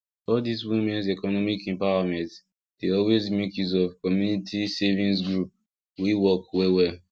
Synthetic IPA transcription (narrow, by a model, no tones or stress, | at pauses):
ɔldiswimɛ̃nsɛkɔnɔmikɛ̃mpaamɛ̃nt | d̥eɔlwezmekjuzɔvkɔmjunitʰisevĩns̬ɡɹup̚ | wiwɔkwewɛ